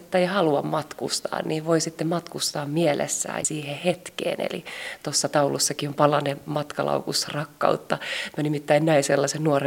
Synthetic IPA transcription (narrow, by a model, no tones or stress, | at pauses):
t̪ːæeihɑluɑmmɑt̪kṵst̪ɑ̰ːnniːʋʋoisit̪ːemmɑt̪kust̪ɑːmmiɛlḛsːæ̰ːsiːhehet̪kḛːnḛlḭt̪osːɑt̪ɑulusːɑkiompɑlɑnemɑt̪kɑlɑ̰ukusrɑkːɑ̰ut̪ːɑmænimit̪ːæinnæiselːɑsennuore